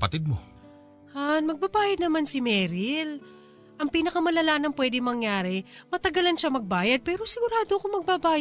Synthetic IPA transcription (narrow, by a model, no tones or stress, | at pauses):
pɐt̪ɪd̪̚mo | anmɐɡ̚babaːjɐd̪nɐmansɪmɛːɾɪl | ʔɐŋpiːnɐkɐmɐlɐlaːnɐŋpwɛd̪ɪmɐŋjaːɾɛmɐt̪ɐɡɐlɐnʃamɐɡ̚baːjɐd̪̚pɛːɾo̞sɪɡʊɾaːd̪oɐkomɐɡ̚babaːj